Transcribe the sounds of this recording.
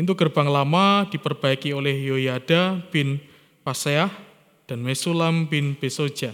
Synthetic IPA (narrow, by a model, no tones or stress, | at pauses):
ʔint̪uɡərb̥aŋlamad̥ipərb̥aikiolɛhjojad̥apɪn | paseah | d̥anmesulampɪnb̥eso̥d͡ʒa